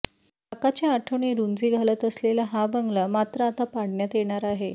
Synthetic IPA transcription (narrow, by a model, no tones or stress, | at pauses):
akat͡ɕjaaʈʰəʋɳiɾund͡ziɡʱalət̪əslelaɦabəŋɡlamat̪ɾəat̪apaɽɳjat̪jeɽ̃aɾaɦe